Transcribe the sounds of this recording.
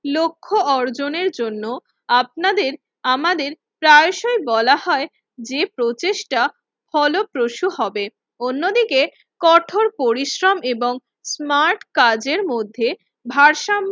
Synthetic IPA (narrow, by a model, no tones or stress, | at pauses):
lokʰːoʔɔɾd͡ʑoneɾd͡ʑonːo | ap̚nad̪eɾ | amad̪eɾ | pɾajʃoebɔlaɦɔe | d͡ʑepɾot͡ɕeʃʈa | fʰɔlopɾoʃuhɔbe | onːod̪ike | kɔʈʰoɾpoɾiʃɾomeboŋ | smaɾʈkad͡ʑeɾmod̪ʱːe | bʱaɾʃam